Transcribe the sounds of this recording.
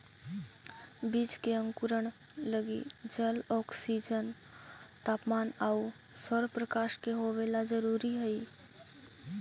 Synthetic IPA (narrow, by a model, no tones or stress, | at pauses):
bit͡ʃkeə̃ŋkuɾəɳ | ləɡid͡ʒəlɔːksid͡ʒən | t̪aːpmaːnau | səɾpɾəkaːʃkeɦoʋelad͡ʒəɾuːɾiɦəi